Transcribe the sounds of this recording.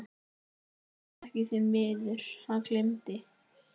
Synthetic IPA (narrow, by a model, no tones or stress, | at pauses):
ɛhcɪsɛmvɪːðʏɾ̥hankʰlemt̪ɪ